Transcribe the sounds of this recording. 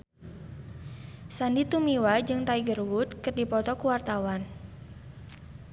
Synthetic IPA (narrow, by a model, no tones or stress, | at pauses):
sandit̪umiwad͡ʒɨŋt̪aiɡərwʊt̪̚kɨrdipɔt̪ɔkuwart̪awan